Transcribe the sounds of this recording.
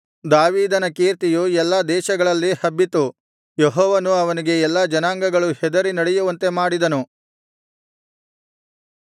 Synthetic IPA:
d̪aːʋiːd̪ɐnɐkeːɾt̪ijuɛlːɐd̪ɛːʃɐɡɐɭɐlːihɐbːit̪u | jeɦɔːʋɐnuɐʋɐniɡe̞ɛlːɐd͡ʒɐnaːŋɡɐɡɐɭuhɛd̪ɐɾinɐɽejuʋɐnt̪e̞maːɽid̪ɐnu

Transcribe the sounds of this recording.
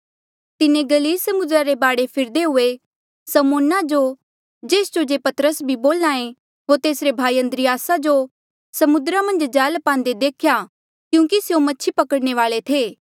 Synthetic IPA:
t̪ɪnẽɡɐliːlsɐmʊd̪ɾaɾebaːɽepʰɪɾd̪eɦʊe | sɐmoːnad͡ʒo | d͡ʒeːsd͡ʒod͡ʒeːpɐt̪ɾəsbʱiboːlnãːẽ | ɦoːɾt̪eːsɾebʱaːiɐ̃nd̪ɾijaːsad͡ʒo | sɐmʊd̪ɾamɐ̃nd͡ʒd͡ʒaːlpãːnd̪ed̪eːkʰja | kjũːk̬isjomɐtːʃʰipɐkəɽñeʋaːlet̪ʰeː

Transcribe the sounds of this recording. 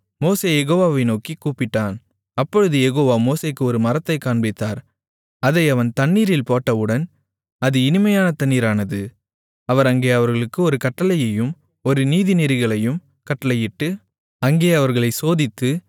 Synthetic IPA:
moːseːjɛɣoːʋaːʋɐɪnoːkikuːpːɪʈːaːn | ɐpːɔɻɯðɯjɛɣoːʋaːmoːseːkːɯɔɾɯmɐɾɐt̪ːɐɪkːaːɳbɪt̪ːaːɾ | ɐðɐɪɐʋɐnt̪ɐnːiːɾɪlpoːʈːɐʋɯɽɐn | ɐðɯɪnɪmɐjaːnɐt̪ɐnːiːɾaːnɐðɯ | ɐʋɐɾɐŋɡeːɐʋɐɾɣɐɭɯkːɯɔɾɯkɐʈːɐlɐjɐjɯm | ɔɾɯniːðɪnɪɾɯɣɐɭɐjɯm | kɐʈːɐlɐjɪʈːɯ | ɐŋɡeːɐʋɐɾɣɐɭɐɪsoːðɪt̪ːɯ

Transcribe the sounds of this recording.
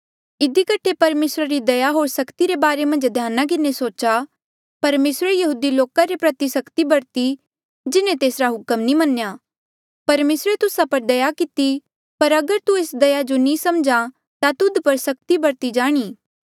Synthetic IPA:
ɪd̪ʱikəʈʰepɐɾmeːsɾaɾid̪ɐjaɦoːɾsɐkt̪iɾebaːɾemɐ̃nd͡ʒd̪ʱjaːnak̬ɪnːesoːt͡ʃa | pɐɾmeːsɾejɐɦuːd̪iloːkaɾepɾɐt̪isɐkt̪ibɐɾt̪i | d͡ʒɪnẽt̪eːsɾaɦʊkəmnĩmɐnja | pɐɾmeːsɾet̪ʊsapɐɾd̪ɐjakɪt̪i | pɐɾɐɡəɾt̪ueːsd̪ɐjad͡ʒonĩsɐmd͡ʒa | t̪at̪ʊd̪pɐɾsɐk̚t̪ibɐɾt̪id͡ʒaːɽ̃iː

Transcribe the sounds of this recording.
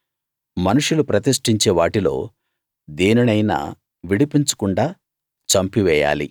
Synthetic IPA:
mɐnuʂulupɾɐt̪iʂʈiɲt͡ʃeːʋaːʈilo̞̰ː | d̪eːnɐnɐjna̰ː | ʋiɽipiɲt͡ʃu̥kuɳɖaː | t͡ʃɐmpiʋɛːja̰ːlḭ

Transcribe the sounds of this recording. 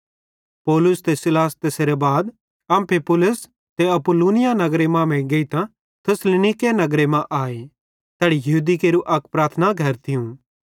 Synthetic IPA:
pɔːlʊst̪esɪlaːst̪eːseɾebaːd̪ | ɐ̃mpʰepʊlʊs | t̪eɐpʊluːnɪjanɐɡɾemãmɛ̃ɡeit̪ã | t̪ʰɪslɪnɪkenɐɡɾemãʔaːe | t̪ɛːɽijɐɦuːd̪ikeːɾuʔɐkpɾaːɾt̪ʰnaɡʱɐɾt̪ʰɪjũ

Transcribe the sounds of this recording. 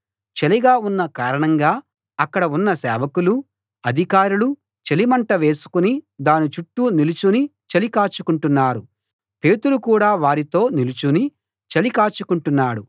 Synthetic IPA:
t͡ʃeliɡaːunːɐkaːɾɐɳɐŋɡaː | ɐkːɐɽɐunːɐsɛːʋɐkulu | ɐd̪ʱikaːɾulu | t͡ʃelimɐɳʈɐʋe̞ːsu̥kunid̪aːnit͡ʃuʈːunilut͡ʃunit͡ʃelikaːt͡ʃukuɳʈunːaːɾu | pe̞ːt̪ulukuːɽaːʋaːɾit̪o̞ːnilut͡ʃuni | t͡ʃɐlikaːt͡ʃukuɳʈunːaːɽu

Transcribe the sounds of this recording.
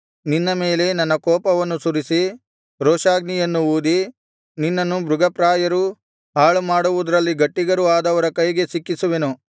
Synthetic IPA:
ninːɐme̞ːle̞nɐnːɐkɔːpɐʋɐnːusuɾisi | ɾoːʂaːɡnijɐnːuuːd̪i | ninːɐnːubɾuɡɐpɾaːjɐɾu | ɦaːɭumaːɽuʋud̪ɐɾɐlːiɡɐʈːiɡɐɾuaːd̪ɐʋɐɾɐkɐjɡe̞sikːisuʋe̞nu

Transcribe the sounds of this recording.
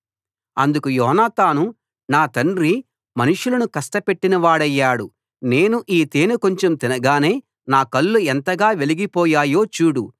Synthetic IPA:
ɐnd̪ukujɔːɦnaːt̪aːnu | naːt̪ɐɳɾi | mɐnuʂulɐnukɐsʈɐpe̞ʈːinɐʋaːɽɐjːaːɽu | ne̞ːnuʔiːt̪eːnuko̞ɲt͡ʃomt̪inɐɡaːne̞ː | naːkɐlːuent̪ɐɡaːʋe̞liɡipɔːjaːjo̞ːt͡ʃuːɽṵ

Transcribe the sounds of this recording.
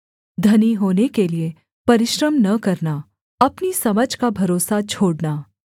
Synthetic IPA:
d̪ʱɐniɦoːnekelie | pɐɾɪʃɾəmnɐkɐɾna | ɐpnisɐməd͡ʒʱkabʱɐɾoːsat͡ʃʰoːɽnaː

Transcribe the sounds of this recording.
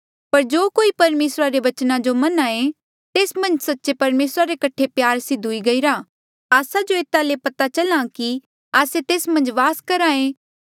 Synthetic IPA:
pɐɾd͡ʒoːkoːipɐɾmeːsɾaɾeʋɐt͡ʃnãd͡ʒomɐnãẽ | t̪eːsmɐ̃nd͡ʒsɐtːʃepɐɾmeːsɾaɾekɐʈʰːepjaːɾsɪd̪ʱuiɡɐiɾa | aːsad͡ʒoeːt̪alepɐt̪at͡ʃɐlãki | aːset̪eːsmɐ̃nd͡ʒʋaːskɐɾãẽ

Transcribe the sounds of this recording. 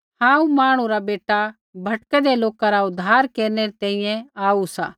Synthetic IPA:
hãːũmaːɽ̃ũɾabeːʈa | bʱɐʈkɛd̪eloːkaɾaʊd̪ʱːaːɾkeːɾneɾet̪ɛ̃ĩjɛ̃aːusa̰ː

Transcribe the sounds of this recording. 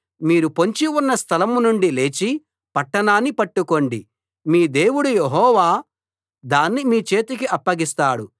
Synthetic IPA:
miːɾupo̞ɲt͡ʃiunːɐst̪ʰɐlɐmnuɳɖile̞ːt͡ʃi | pɐʈːɐɳaːnːipɐʈːuko̞ɳɖi | miːd̪e̞ːwuɽujeɦɔːʋaː | d̪aːnːimiːt͡ʃe̞ːt̪ikiɐpːɐɡist̪aːɽu

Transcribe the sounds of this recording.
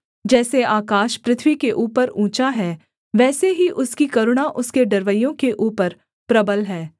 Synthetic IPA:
d͡ʒɛːseaːkaːʃpɾɪt̪ʰwikeʔuːpəɾũːt͡ʃaɦɛː | ʋɛːseɦiʔʊskikɐɾʊɽ̃aʔʊskeɖɐɾʋəjõkeʔuːpəɾ | pɾɐbəlɦɛː

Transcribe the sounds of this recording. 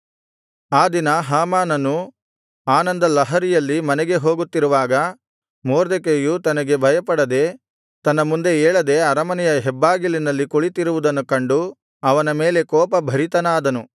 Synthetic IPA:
aːd̪inɐɦaːmaːnɐnu | aːnɐnd̪ɐlɐɦɐɾijɐlːimɐnɛɡe̞ɦoːɡut̪ːiɾuʋaːɡɐ | moːɾd̪ekejut̪ɐnɐɡe̞bʱɐjɐpɐɽɐd̪e̞ | t̪ɐnːɐmund̪e̞eːɭɐd̪e̞ɐɾɐmɐnɛjɐɦɛbːaːɡilinɐlːikuɭit̪iɾuʋud̪ɐnːukɐɳɖu | ɐʋɐnɐmeːle̞kɔːpɐbʱɐɾit̪ɐnaːd̪ɐnu

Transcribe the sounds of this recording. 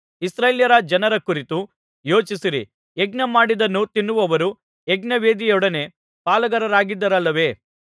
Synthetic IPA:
isɾeːljɐɾɐd͡ʒɐnɐɾɐkuɾit̪u | jo̞ːt͡ʃisiɾi | eɡnɐmaːɽid̪ɐnːut̪inːuʋɐʋɐɾu | eɡnɐʋeːd̪ijɔɽɐne̞ | paːlɐɡɐɾɐɾaːɡid̪ːɐɾɐlːɐʋe̞ː

